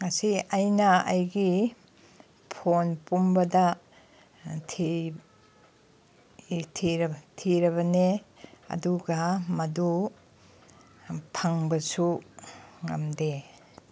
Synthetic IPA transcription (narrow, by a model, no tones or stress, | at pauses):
ŋɐsiɐjnɐɐ̰jɡi | pʰonpumbɐdɐ | tʰi | tʰiɾtʰiɾɐβɐneɐ̰duɡɐmɐdu | pʰɐŋbɐsu | ŋɐmde